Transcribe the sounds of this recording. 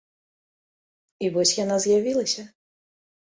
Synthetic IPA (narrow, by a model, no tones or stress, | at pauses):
ivɔsʲjanazʲjavʲilˠɐsʲɐ